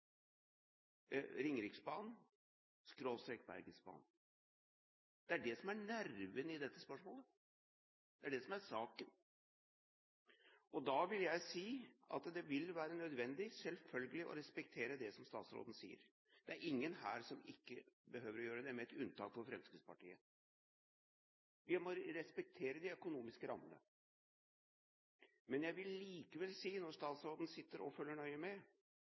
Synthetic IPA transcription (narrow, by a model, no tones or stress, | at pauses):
ɾɪŋɾɪksbɑːn | skɾoːst̪ɾɛkbæ̰ɾɡəsbɑ̰ːn | d̪̥ɛæɖɛsɔmæɳæɾʋənɪd̪ɛt̪ːəspœʂmoːlə | d̪̥ɛæɖɛsɔmæɾsɑːkən | ɔd̪ɑʋɪljæɪsiːɑ̰t̪d̪ɛʋɪlʋæːɾənœd̪ʋɛnd̪ɪsɛlfœlɡəlɪʔɔ̰ɾɛspɛk̚t̪ʰeːɾəd̪ɛsɔmst̪ɑːt̪sɾo̰d̪n̩sḭːə̰ɾ | d̪̥ɛæɾʔɪŋːənhæ̰ːɾsɔmɪkːəbəɦøːʋəɾɔjøːɾəd̪ɛmɛɛt̪ʉnt̪ʰɑ̰ːkfɔɾfɾɛmskɾɪd̪spɑ̰ʈiːə | ʋɪmɔɾɛspɛk̚t̪ʰeːɾəd̪ɪœkʊnuːmɪskəɾɑ̰mːənə̰ | mɛnjæɪʋɪlːiːkəʋɛlsiːnɔɾʂt̪ɑːt̪sɾoːd̪ən̩sɪt̪ːəɾɔ̰fœlːəɳœʏəmɛ